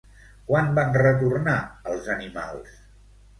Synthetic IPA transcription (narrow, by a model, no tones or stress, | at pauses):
kwanbanrət̪urnaəlˠzənima̰lˠs